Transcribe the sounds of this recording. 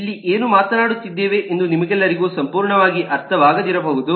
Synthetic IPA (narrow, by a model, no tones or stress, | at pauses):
ilːiʔeːnumaːt̪ɐnaːɽut̪ːid̪ːeːʋeʔend̪unimɐɡɛlːɐɾiɡuːsɐmpuːɾɳɐʋaːɡiʔɐɾt̪ʰɐʋaːɡɐd̪iɾɐboːɦud̪u